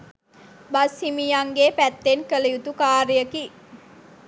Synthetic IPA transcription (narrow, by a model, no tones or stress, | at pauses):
bashimijaŋɡeːpæt̪ːenkələjut̪ukaːɾijəki